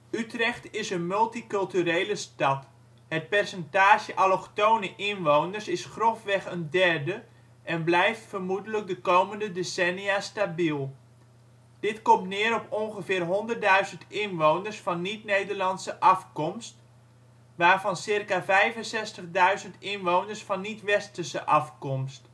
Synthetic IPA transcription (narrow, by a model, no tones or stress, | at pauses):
ytrɛxtɪsənmɵlˠtikɵlˠtyɾejləstɑt | hət̚pɛrsɛntaːʒəʔalɔχtownəʔɪnʋownərsɪsχrofʋɛχəndɛrdə | ʔɛnblɛjftfərmudələk̚dəkowməndədesɛniastabilˠ | d̥ɪtkɔmtnɪːɾɔponχəfɪːrɦɔndərt̚dœɥzəntɪnʋownərsfɑnːitnejdərlɑnsəʔɑfkɔmst | ʋaːrvɑnsɪrkavɛjvənsɛstəχdœɥzəntɪnʋownərsfɑnːitʋɛstəsəʔɑfkɔmst